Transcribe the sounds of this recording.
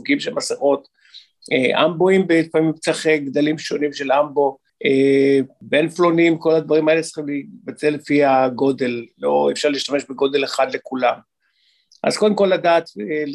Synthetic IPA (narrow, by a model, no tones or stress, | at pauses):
uɡimʃelmasaχo̞t̪ | eʔa̰mboimbet̪famimt͡saχeɡd̪alimʃo̞nimʃe̞lambo̞ | ebenflo̞nimko̞lad̪vaʁimaelet͡sχimlibat͡se̞lefiaɡo̞d̪e̞lːo̞efʃaʁliːʃt̪ame̞ʃbeɡo̞d̪e̞leχad̪le̞kulam | ʔa̰zkod̪emko̞lːad̪aːt̪e